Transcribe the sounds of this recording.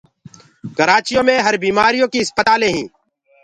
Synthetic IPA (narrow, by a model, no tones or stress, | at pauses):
kəɾaːt͡ʃijõːmẽɦɐɾbiːmaːɾijõːkiɪspət̪aːlẽɦĩː